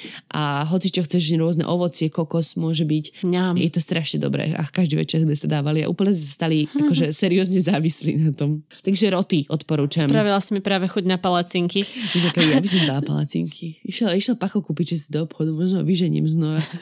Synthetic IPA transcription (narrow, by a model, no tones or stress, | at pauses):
ʔaɦɔt͡sit͡ʃɔxt͡sɛʒɲɛɾʊɔznɛ̰ʔɔʋɔt͡sɪɛkɔkɔsmʊɔʒɛbicjɛt̪ɔst̪ɾaʃɲɛd̪ɔ̰bɾɛ̰a̰kaʒd̪iʋɛ̰t͡ʃɛɾmɛsad̪aːʋalia̰ʔṵːplɲɛzmɛsḁst̪aliakɔʒɛsɛɾiɔzɲɛzaːʋislḭnat̪ɔmt̪aɡʒɛɾɔt̪iʔɔt̪pɔɾuːt͡ʃsampɾaʋilasimipɾaːʋɛxuɟnapalat͡siŋkiɛnɔkɛd̪ijabis̬ɔmd̪alpa̰la̰t͡sḭŋkʰiiʃɛliʃɛlpaxɔkuːpiʒɛs̬id̪ɔɔpxɔd̪umɔʒnɔʋiʒɛɲḭmznɔʋa